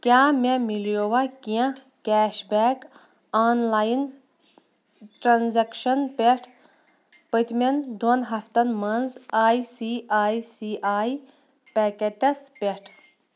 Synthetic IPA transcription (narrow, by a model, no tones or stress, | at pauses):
kʲaːmemiljowɐkijã | kɛːʃbɛːk | aːnlaːjin | ʈɾanzekʃɐnpeʈʰ | pət̪mend̪onɦɐft̪ɐnmɐnzaːjsiaːjsiʔaːj | pekeʈɐspeʈʰ